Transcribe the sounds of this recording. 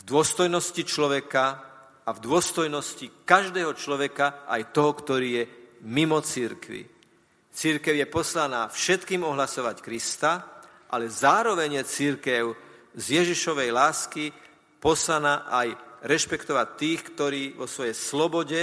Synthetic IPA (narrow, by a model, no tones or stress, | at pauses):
vd̪ʊɔst̪ɔjnɔscit͡ʃlɔʋɛka | avd̪ʊɔst̪ɔjnɔscikaʒd̪ɛːɦɔt͡ʃlɔʋɛkaʔa̰jt̪ɔɦɔkt̪ɔɾiːjɛmimɔt͡siɾkʋḭ | t͡siɾkɛʊjɛpɔslanaːfʃɛt̪kiːmɔɦlasɔʋackɾist̪a | ʔa̰lɛzaːɾɔʋɛɲjɛt͡siɾkɛʊ | zjɛʒiʃɔʋɛjlaːski | pɔslanaːʔajɾɛʃpɛkt̪ɔʋac̚t̪ːiːxkt̪ɔɾiːʋɔsʋɔjɛjslɔbɔɟɛ